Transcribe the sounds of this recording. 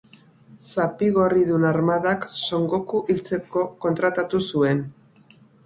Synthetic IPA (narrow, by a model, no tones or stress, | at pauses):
sapiɣo̞riðunaɾmaðakso̞ŋɡo̞kuʔilt͡se̞ko̞ko̞nt̪ɾat̪at̪usue̞n